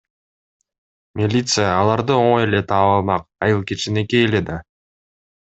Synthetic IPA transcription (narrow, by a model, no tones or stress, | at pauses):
mʲilʲit̪sɨjaːlˠɑɾd̪ɯoɴojele̞t̪ʰɑːβɑlˠmɑq̚ɑjɯlˠket͡ʃine̞ke̞jled̪ɑ